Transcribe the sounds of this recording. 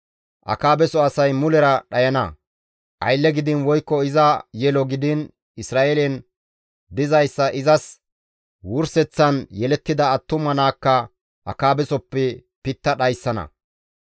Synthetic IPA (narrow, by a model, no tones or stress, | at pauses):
ʔɐ̰kaːbɛsɔɐsɐjmʊlɛɾɐɗɐjɐnɐ̰ | ʔɐ̰jlːɛɡɪd̪ɪnwɔjkːɔɪzɐjɛlɔɡɪd̪ɪn | ɪsɾaːʔelɛn | d̪ɪzɐjsːɐʔɪzɐs | wʊɾsɛt͡sːɐnjɛlɛt̪ːɪd̪ɐːt̪ːʊmɐnaːkːɐ | ʔɐ̰kaːbɛsɔpːɛ | pɪt̪ːɐɗɐjsːɐnɐ̰